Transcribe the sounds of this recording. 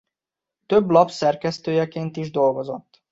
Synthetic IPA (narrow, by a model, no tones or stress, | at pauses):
t̪øblɒpsɛrkɛst̪øːjɛkeːnt̪iʒd̪o̞lɡo̞zo̞t̪ː